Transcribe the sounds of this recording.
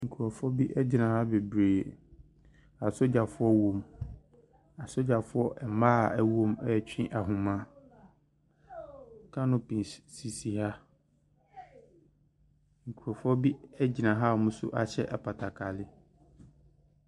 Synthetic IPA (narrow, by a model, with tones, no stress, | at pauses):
ŋ̩˨kʰu˨ɾa˨fʊ˦ɔ˦bi˦ʔɛ˦d͡ʑi˨nã˨ha˦be˨bɾeː˨ | a˨so˦d͡ʑa˨fʊ˦ɔ˦wõ˨m | a˨sʊ˦d͡ʑa˨fʊ˦ɔ˦ʔɛ˨mã˦˨ɛ˦wõ˦mɛ˦˨t͡ɕᶣĩ˦ʔa˨ɦʊ̃˨mã˦ | kʰã˦nʊ̃˦pʰĩ˨ssi˨si˨ha˦ | ŋ̩˨kʰu˨ɾɔ˨fʊ˦ɔ˦bi˦ɛ˦d͡ʑi˨nã˨ɦa˦˨mʊ̃˦sʊ̰˦ʔa˨ɕʰɛ˦ʔɛ˨pʰa˨tʰa˨kʰa˨lɪ˦